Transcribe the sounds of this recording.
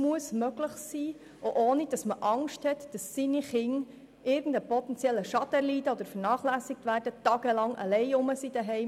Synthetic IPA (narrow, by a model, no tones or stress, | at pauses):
muəsmøɡləχsiː | oʔoːnid̥ɑsməʔɑŋʃthɛt̪d̥ɑsːiniχɪŋ | ɪɾɡən̩dəpɔt̪ɛnt͡sjɛlːəʃɑd̪əliːdəod̥̪əɾfəɾnɑːχlæːsɪk̚tʋæːrd̥ətɑːɡ̥əlɑŋə̰lɛɪʊməsid̥əɦɛɪ